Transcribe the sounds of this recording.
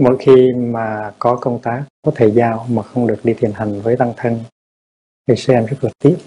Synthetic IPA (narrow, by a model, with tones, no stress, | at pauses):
mo̰˧˥jxi˧maː˨˩kɔ˨˦kə˧wŋ͡mt̪aː˨˦kːɔ˨˦t̪ʰe˧˩zaː˧wmaː˨˩xə˧wŋ͡mɗɨ˨˩ək̚ɗi˧t̪ʰi˨˩ənɦa˨˩jŋ̟vəː˨˦jt̪a˧ŋt̪ʰə˧ŋ | hi˨˧˩sɛ˧mzə˦˥k̚lɨ˨˩k̚t̪ḭ˦˥